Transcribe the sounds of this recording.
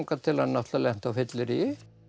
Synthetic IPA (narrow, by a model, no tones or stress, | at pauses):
ŋkat̪ʰɪlanːat̪lalɛm̥t̪awfɪt̪lɪɾi